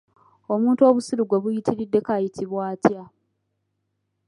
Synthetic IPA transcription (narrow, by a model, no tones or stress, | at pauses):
o̞muːntuo̞ːβusiɾuɡwoβujitiɾidːe̞kajitʰiβwaːtja